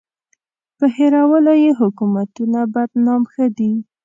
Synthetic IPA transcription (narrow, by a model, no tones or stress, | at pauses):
pəheɾawəlojeɦʊkumat̪unabad̪nɑmxəd̪i